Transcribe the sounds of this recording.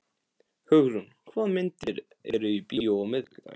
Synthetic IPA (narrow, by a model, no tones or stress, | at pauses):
hʏɣɾʏnkʰvaðmɪnt̪ɪɾ | ɛɾʏipioɔmɪðlɾa̰